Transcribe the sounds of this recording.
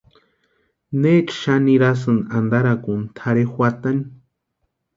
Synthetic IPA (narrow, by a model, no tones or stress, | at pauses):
net͡ʃʃaniɾas̬ɨnand̪aɾakunt̪ʰaɾexʷwat̪ani